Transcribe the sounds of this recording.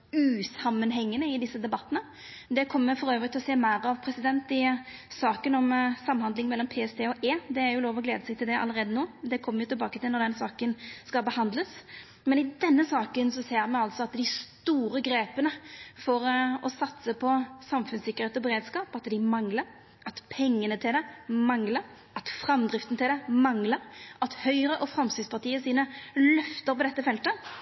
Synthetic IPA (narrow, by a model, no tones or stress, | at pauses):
ʉːsɑmːənɦɛŋːənəɪd̪ɪsːəd̪ɛbɑt̪ːənə | d̪ɛkʰɔmːəəfɔɾøːʋɾʁɪkt̪ɪlɔseːmæɪɾɑʋpʰɾɛsɪd̪ɛnt̪ɪsɑːkənɔmsɑmːhɑnd̪lɪŋmɛlːɔmpʰeːɛst̪ʰeːɔʔeːd̪ɛæɾjʊloːʋɔɡleːd̪əsɛɡ̚t̪ɪld̪ɛʔɑ̰lːəʁeːd̪ənoːd̪ɛkʰɔmːəɾjʊt̪ɪlbɑːkət̪ɪlnɔɾd̪ɛnsɑːkənskɑlbəhɑnd̪ləs | mɛnɪd̪ɛnːəsɑːkənsɔseːɾmɛɑlt̪sɔɑt̪d̪ɪst̪uːɾəɡɾeːpənəfɔɾɔsɑt̪səpʰɔsɑmfʉnsɪkːəʁheːt̪ɔbəɾeːd̪skɑːpɑt̪d̪ɪmɑŋləɾ | ʔɑt̪pʰɛŋːənət̪ʰɪld̪ɛmɑŋləɾ | ɑt̪fɾɑmd̪ɾɪft̪ən̩t̪ɪld̪ɛmɑŋləɾɑt̪hœʏɾəʔɔfɾɑmst̪ɪspʰɑʁt̪iːəsiːnəlœft̪əɾpɔd̪ɛt̪ːəfɛlt̪ə